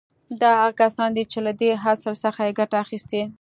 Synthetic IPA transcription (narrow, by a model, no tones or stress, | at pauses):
d̪ɑɦaɣakasɑnd̪it͡ʃelad̪eɦasəɾsəxajeɡaʈaːxist̪e